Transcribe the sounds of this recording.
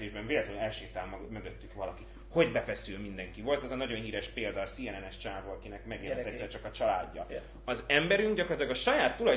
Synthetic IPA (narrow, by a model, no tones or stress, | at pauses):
eːʒbɛɱveːlɛt̪ɛønɛlʃeːt̪aːmmø̞ɡøt̪ːykʋɒlɒki | ho̞ɟbɛfɛsylmind̪ɛŋkivo̞lt̪ɛzɒnɒɟo̞nɦiːɾɛʃpeːld̪ɒːsijɛnɛnɛʃt͡ʃaːvoɒkinɛkmɛɡeːlɛɛsːɛrt͡ʃɒkɒt͡ʃɒla̰ːɟːɒ̰ | ɒzɛmbɛɾyŋɡɟɒkorlt̪lɒɡɒʃɒjaːt̪ːulɒ